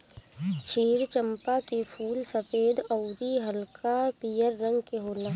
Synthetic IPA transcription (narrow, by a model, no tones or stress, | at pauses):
t͡ʃʰiːɾt͡ʃəmpakepʰuːlsɐfeːd̪əʊɾiɦɐlkapiːjəɾːɐ̃ŋɡkeɦoːlaː